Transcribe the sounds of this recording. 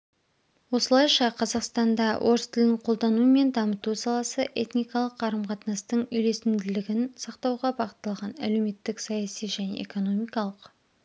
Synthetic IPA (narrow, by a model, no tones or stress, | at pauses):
wo̞səlˠɑjʃɑqʰɑzɑqst̪ɑnd̪ɑwʔo̞ɾəst̪ʰɪlnɪɴqʰo̞lˠd̪ɑnuəme̞nd̪ɑmət̪usɑlˠɑsəʔe̞t̪nijkɑlˠəqʰːɑɾəmqʰɑt̪ənɑst̪əɴʏjle̞sɪmd̪ɪlɪɡʲɪnsɑqt̪ɑwʁɑbɑʁət̪ːɑlˠʁɑnæ̰lewme̞t̪ːɪksɑjɑsijʒæne̞̰ḛko̞no̞mijkɑlˠəq